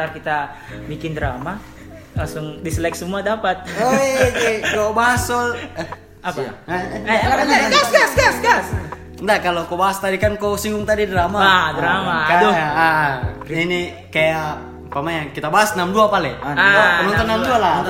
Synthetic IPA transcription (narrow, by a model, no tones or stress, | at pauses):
t̪arkit̪a | bikɪndəɾama | laŋsʊŋdisəlɛk̚səmuadapat̪̚oeekobaɦasɔl | apa | aanaɡasɡasɡasɡas | ndakalokobaɦast̪adikankosiŋɡʊŋt̪adidɾamaadɾamakadɔa | ini | kajaː | pamaɲakit̪abaɦasnamduapalɛaaaənɔnt̪ɔnːamduala